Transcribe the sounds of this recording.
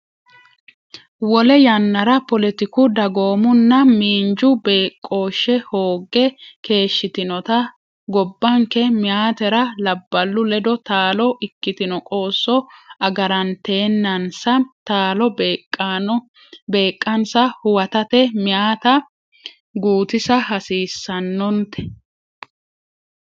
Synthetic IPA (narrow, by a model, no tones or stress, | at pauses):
wɔlɛjɐnːɐɾɐpɔlɛt̪ɪkʊd̪ɐɡo̞ːmʊnːɐmiːnd͡ʒʊbeːkʼːo̞ːʃːɛho̞ːɡːɛke̞ːʃːɪt̪ɪnɔt̪ɐ | ɡɔbːɐŋkɛmɪjaːt̪ɛɾɐlɐbːɐlːʊlɛd̪ɔt̪aːlɔʔɪkːɪt̪ɪnɔkʼo̞ːsːɔɐɡɐɾɐnt̪e̞ːnːɐnsɐt̪aːlɔ | be̞ːkʼːɐnsɐhʊwɐt̪ɐt̪ɛmɪaːt̪ɐ | ɡuːt̪ɪsɐhɐsiːsːɐnːɔnt̪ɛ̥